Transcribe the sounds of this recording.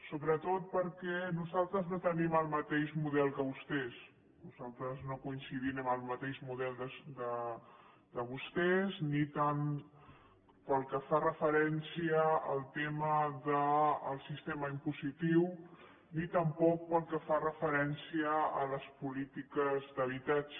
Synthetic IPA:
soβɾət̪ot̪̚pəɾkɛnuzalˠt̪ɾəznot̪əniməlˠmət̪eʒmuðɛlˠkəβust̪ɛs | nuzalˠt̪ɾəznokuinsiðinəməlˠmət̪eʒmuðɛlˠd̪əd̪ə | d̪əβ̞ust̪ɛznit̪an | pəlˠkəfarəfəɾɛnsiəəlˠt̪eməðəːlˠsist̪eməimpuzit̪iw | nit̪əmpɔk̚pəlˠkəfarəfəɾɛnsiəələspulit̪ikəzd̪əβit̪ad͡ʒ

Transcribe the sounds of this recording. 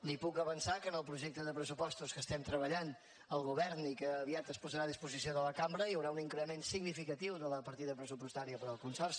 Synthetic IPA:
nipukəβənsakənəlˠpɾuʒɛk̚t̪əðəpɾəsupɔst̪uskəst̪ɛmt̪ɾəβəʎan | əlˠɣuβɛɾnikəːβiat̪əspuzəɾaːðispuzisioðələkambɾəjəwɾauniŋkɾəmensiɡnifikət̪iwðələpəɾt̪iðəpɾəs̬upust̪aɾiəpəɾəlˠkunsɔrs

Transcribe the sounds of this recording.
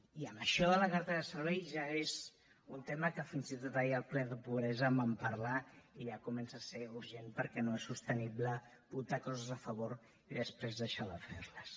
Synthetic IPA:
iəməʃɔələkaɾt̪əðəsəɾβɛjʒaez | unt̪eməkəfinzit̪ot̪ajəlˠplɛðəpuβɾɛzəmampəɾlaiʎakumɛnsaseuɾʒenpəɾkɛnoesːust̪əniblə | puɾt̪akɔzəzəfəβoɾ | iðəspɾezðəʃaðəfḛɾləs

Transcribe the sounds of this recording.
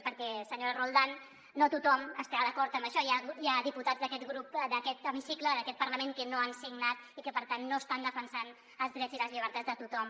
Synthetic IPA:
pəɾkɛsəɲoɾərulˠd̪anː | ot̪ut̪ɔməst̪aaðəkɔɾt̪əmbəʃɔjajaðiput̪azðəkɛt̪ɡɾupd̪əkɛt̪əmisikləðəkɛt̪̚pəɾləmeŋkənoansiɡnat̪̚ikəpəɾt̪anːoəst̪and̪əfənsan | əlˠzðɾɛd͡ziləzʎiβ̞əɾt̪ad͡zðət̪ut̪ɔm

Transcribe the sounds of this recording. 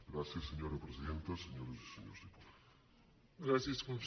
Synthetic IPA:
ɡɾasɐsɨɲoɾɐpɾɨziðẽnt̪ɐsɨɲoɾɐzisɨɲo̰ɾʃðipu | ɡɾasiskũf

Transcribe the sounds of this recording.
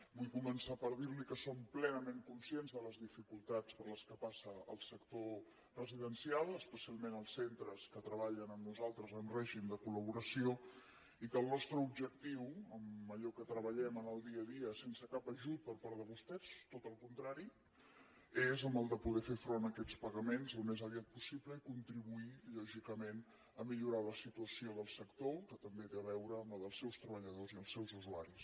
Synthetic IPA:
bujkumənsapəɾðiɾlikəsomplɛnəmeŋkunsienzðələzðifikulˠt̪at͡spəɾləskəpasəə̰lˠsəkt̪o | rəziðənsialˠəspəsialˠmenəlˠsːent̪ɾəskət̪ɾəβaʎənəmnuzalˠt̪ɾəzəmrɛʒimd̪əkuləβ̞uɾəsio | ikəːlˠnɔst̪ɾəubʒək̚t̪iwəməʎɔkət̪ɾəβəʎɛmənəlˠd̪iəðiəsensəkapəʒut̪̚pəɾpaɾðəβust̪ɛst̪ot̪əlˠkunt̪ɾaɾi | ezəməlˠd̪əpuðɛfefɾonəkɛt͡spəɣəmenzəlˠmezəβiat̪̚pusiβləikunt̪ɾiβuiʎɔʒikəmen | əmiʎuɾaləsit̪uəsioðəlˠsəkt̪okət̪əmbet̪eəβ̞ɛwɾəːməlˠðəlˠsɛwst̪ɾəβəʎəðoziəlˠsɛwzuzuaɾis

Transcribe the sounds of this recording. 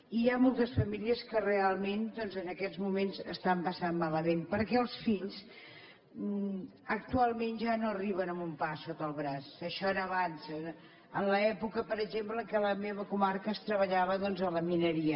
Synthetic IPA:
iamolˠt̪əsfəmiliəskərealˠmend̪ɔnzənəkɛzmumenzəst̪ampəsammaləmempəɾkɛəlˠsfiʎz | ək̚t̪ualˠmenʒanoəriβ̞ənəmumpasot̪əlˠβɾasəʃɔənəβansə | ənləɛpukəpəɾəɡʒempləŋkələmeβəkumaɾkəːst̪ɾəβəʎaβəðɔnzələminəɾiə

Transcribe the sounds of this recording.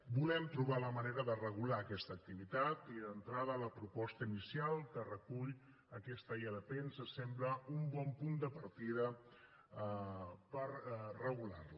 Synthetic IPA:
bulɛmt̪ɾuβaləməneɾəðərəɣ̞ulaːkɛst̪əːk̚t̪iβit̪at̪iðənt̪ɾaðəːləpɾupɔst̪əinisialˠkərəkuʎ | əkɛst̪əiəðəpensəsɛmbləumbɔmpund̪əpəɾt̪iðə | pəɾrəɣula̰ɾlu

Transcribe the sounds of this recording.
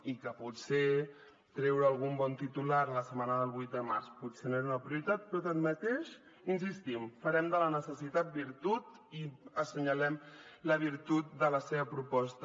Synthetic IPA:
ikəpuse | t̪ɾɛwɾəːlˠɣumbɔnt̪it̪ulaɾləsəmanəðəlˠβujt̪̚d̪əma̰ɾspuseneɾunəpɾijuɾit̪at̪̚pɾɔt̪ant̪mət̪eʃ | insist̪imfəɾɛmd̪ələnəsəsit̪at̪̚βiɾt̪ut̪ | iəsəɲəlɛmləβ̞iɾt̪ut̪̚d̪ələseβəpɾupɔst̪ə

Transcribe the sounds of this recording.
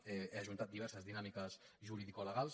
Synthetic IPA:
eeaʒunt̪at̪d̪iβ̞ɛɾsəzðinamikəzʒuɾiðikoləɣ̞alˠs

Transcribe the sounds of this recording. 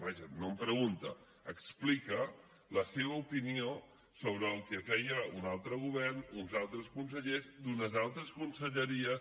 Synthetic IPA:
baʒənompɾəɣunt̪ə̰ | əksplikə | ləseβəupinio | soβ̞ɾəːlˠkəfɛjəunalˠt̪ɾəɣ̞uβ̞ɛɾnunzalˠt̪ɾəskunsəʎezd̪unəzalˠt̪ɾəskunsəʎəɾiəs

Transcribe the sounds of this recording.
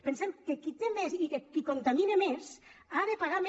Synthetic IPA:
pensɛmkekit̪emesikekikont̪aminemesaðepaɣam

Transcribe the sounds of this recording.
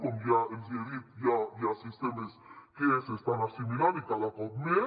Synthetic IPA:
komjaelzeɾit̪jajasist̪emeskeesest̪anasimilanikaðakot̪me

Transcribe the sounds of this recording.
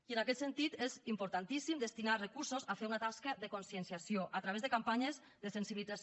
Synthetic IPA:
iənakɛt̪sent̪it̪ezimpoɾt̪ant̪isimd̪əst̪inarəkuɾsozafeɾunat̪askəðəkonsiənsiasjoʔat̪ɾaβezðəkampaɲəz | ðəsensiβilid͡zas

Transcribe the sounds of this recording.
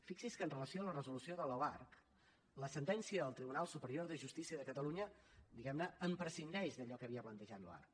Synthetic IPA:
fiksiskənrələsioələrəzulusioðələβaɾk | ləsənt̪ɛnsiəðəlˠt̪ɾiβunalˠsupəɾioɾðəʒust̪isiəðəkət̪əluɲəd̪iɣɛmnəəmpɾəsind̪ɛʃd̪əʎɔkəβiəplənt̪əʒat̪lə̰βa̰ɾk

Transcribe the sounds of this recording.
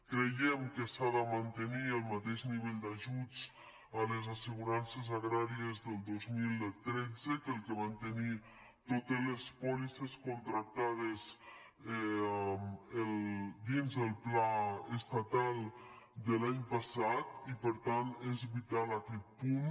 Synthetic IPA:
kɾejɛmkəsaðəmant̪əniəlˠmat̪eʒniβ̞ɛʎd̪aʒut͡s | ələzasəɣ̞uɾansezaɣɾaɾiəzðəlˠd̪ozmilˠt̪ɾɛd͡zəkəlˠkəβant̪əni | t̪ot̪əzlespɔlisəskunt̪ɾak̚t̪að̞ez | əld̪inzəlˠplaəst̪at̪alˠ | d̪əlaɲpasat̪ipəɾt̪anezβit̪alakɛt̪̚pun

